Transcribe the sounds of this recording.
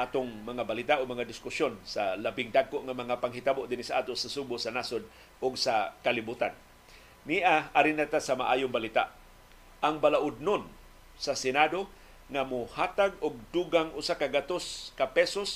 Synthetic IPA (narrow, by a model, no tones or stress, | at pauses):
ʔaːt̪oŋmɐŋabalit̪aʔoɡ̚mɐŋad̪ɪskʊsjonsalabɪŋd̪aɡkoʔŋamɐŋapaŋɦit̪aboʔd̪ɪnisaʔa̰ːt̪osasubʊsanasod̪̚ | ʊɡsakalibut̪an | niʔaaɾɪnat̪asama̰ʔaːjʊŋbalit̪a̰ʔ | ʔaŋbalaʔʊd̪̚non | sasɛnad̪o | ŋamʊhaːt̪aɡ̚ʊɡ̚d̪uɡaŋʔʊsakaɡat̪oskapɛsos